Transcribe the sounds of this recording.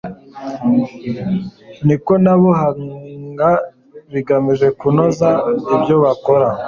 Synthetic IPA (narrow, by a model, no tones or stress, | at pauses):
niko̞naβuɦaɡa | βiɡamiʒe̞kunozaibjo̞βako̞ɾa